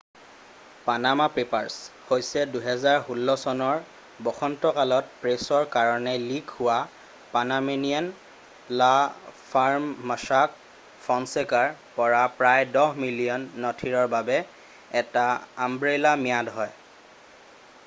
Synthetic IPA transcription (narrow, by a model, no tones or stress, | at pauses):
panamapɹipaɹshojsɛduɦɛzaɹhulːɔsɔnɔɹ | bɔxɔntɔkalɔt̚pɹesɔɹkaɹɔnɛlikhʊwa | panamenian | lapʰaɹmːasak̚ | fʰɔnsekaɹpɔɹapɹajdɔhmilijɔnːɔtʰiɹɔɹbabɛ | ɛtaːmbɹelamijadɦɔj